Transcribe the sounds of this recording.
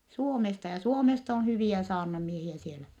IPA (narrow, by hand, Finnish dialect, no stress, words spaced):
suomestɑ jɑ suomest on hyʋiæ sɑːrnɑmiehiæ sielæ